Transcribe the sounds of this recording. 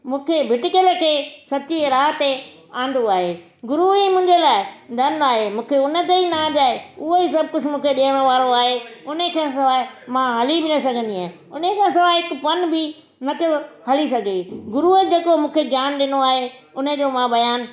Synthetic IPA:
mũːkʰebʱɪʈɪkəlkʰeːsɐt̪ieɾaːɦt̪e | ãːn̆d̪oaːɦeː | ɡʊɾuimʊ̃ːɪ̃ɲd͡ʑelaːɪd̪ɐnaːɦemũːkʰeʊnət̪̬einad͡ʑaːeʊɦoisɐb̚kʊt͡ɕʰmũːkʰeɗiːəɽ̃ʋaːɾoaːɦeʊnəkʰãːsɐʋaːmãɦɐlibɪnɐsɐɡʱə̃n̆d̪iaːɪ | ʊnekʰãːsɐʋaːɪkpɐnbʱɪ | nɐt̪ʰo | hɐlisɐɡʱeɡʊɾuəd͡ʑeːkomũːkʰeɡjaːnɗɪnoaːɦeʊnə̆d͡ʑoːmãbɐjaːn

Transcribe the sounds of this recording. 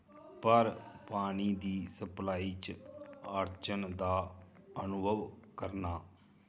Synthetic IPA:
pəɾpaːɽ̃iːd̪iːsəplaːiːt͡ʃ | əɾt͡ʃənd̪aːənʊbʱəʋkəɾnaː

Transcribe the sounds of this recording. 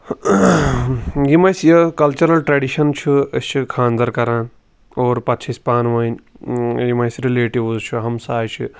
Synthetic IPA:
jimɐjsjɐkɐlt͡ʃɐɾɐlʈɾɐːɖiʃɐnt͡ʃʰit͡ʃʰikʰãːnd̪ɐɾkɐɾaːn | oːɾpɐt̪ːt͡ʃʰisʲpaːnʋɐːnʲ | jimɐjsɾileːʈiʋzt͡ʃʰuɦɐmsaːjt͡ʃʰḭ

